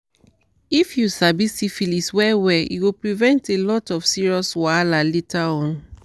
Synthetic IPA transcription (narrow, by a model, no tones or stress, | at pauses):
ifjusabisifiliswɛwɛḭɡopɹivɛ̃ntelɔtɔfsiɹiɔswalalitʰaɔ̃n